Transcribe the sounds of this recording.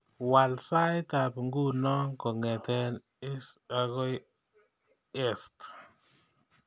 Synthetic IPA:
wa˨lsa˦jt̪a˨pŋɡu˦nɔ˦ŋkɔ˨ŋɛ˨t̪ɛ˦n | ɪ˦sa˨ɣɔ˦j | ɛ˦st

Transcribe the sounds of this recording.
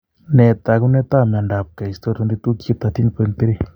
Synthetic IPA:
nɛ˨t̪a˨ku˦ne˦t̪a˦ma˨nda˨p̚ka˨i˨st̪o˦ɾt̪u˧ndi˦t̪u˦ki˦t̪a˨t̪i˦npe˧nt̪e˦ɾi˦˨

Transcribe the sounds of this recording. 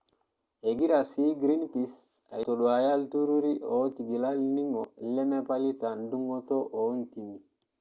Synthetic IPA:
e˨ɡi˦ɾa˨si˦ɡɾi˦npi˨s | a̰˨jto˨ɗo˨a˨ja˦ltu˦ɾu˦ɾi˦o˨˦ti˨ɡi˨la˦lni˦ŋo˨le˦me˦pa˦li˦ta˨ndu˦ŋo˦to˦ʔo˨˦nti˨ŋi˨

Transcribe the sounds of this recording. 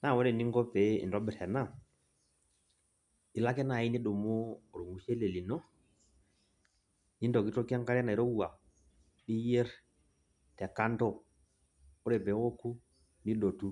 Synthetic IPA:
na˦˨wo˦nɛ˨ni˦ŋɡɔ˦pe˨˦ḭ˨ndɔ˦bɛ˨ɾɛ˨na˦˨ | ɗi˨la˦kɛ˦na˨ji˦ni˦ɗo˨mo˦˨ɾu˨ŋu˨se˦le˨li˨no˦ | ni˦ndo˨ki˦to˦ki˦a˦ŋka˦ɾɛ˦na˨i˨ɾo˦u˦˨a˨ | ɗi˦je˦ɾ | tɛ˨ka˦ntɔ˦ | o˦ɾɛ˨bɛ˨˦wo˦ku˦ | ni˦ɗo˨tu˦

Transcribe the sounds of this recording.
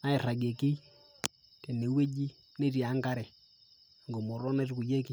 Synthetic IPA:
na˦e˨ra˨ɡe˨ki˦ | kɛ˨ne˨we˦d͡ʒi˦ | ne˦ɾja˨˦ŋɡa˦ɾɛ˨ | ŋɡo˨mo˨ɾɔ˦na˦ru˦ku˨d͡ʒe˦ki˦

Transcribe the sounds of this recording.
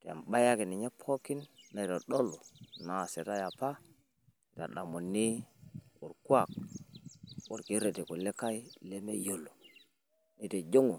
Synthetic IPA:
te˨a̰˨ɓa˦ja˦ki˨ni˨ɲe˦pʰo˦ki˦nːa˨to˨ɗo˦lu˨na˨se˨ta˦ja˨pa˦˨ | ta̰˨ɗa˨mu˨nːi˦u˨ɾku˦a˦˨k̚ | wu˨ɾki˦ɾe˨te˨ko˨le˦ka˦i˦le˦me˦jo˨lo˨ | ni˨˦˨to˨d͡ʒo˦ŋu˨

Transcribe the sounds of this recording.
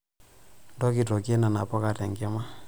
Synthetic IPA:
ndɔ˦ki˨tɔ˨k̬ɛ˦na˨na˨pɔ˦ka˨tɛ˨ŋɡɛ˦ma˦

